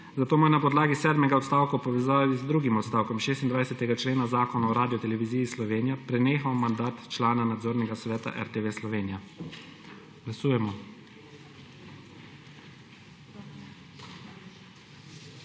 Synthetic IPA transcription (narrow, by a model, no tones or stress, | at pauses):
zat̪oːmɔjɛnapɔd̪laːɡisɛːd̪mɛɡaɔt̪st̪aːwkawpɔʋɛzaːʋizd̪ɾuɡimɔt̪st̪aːwkɔmʃeːst̪ind̪ʋajsɛt̪ɛɡat͡ʃleːnazaːkɔnaɔɾaːd̪ijɔt̪ɛlɛʋiziːjislɔʋeːnijapɾɛneːxawmand̪aːt̪t͡ʃlaːnanad̪zoːɾnɛɡasʋɛːt̪a̰ʔɛ̰ɾt̪eʋeslɔʋeːnija | ɡ̥lasuːjɛmɔ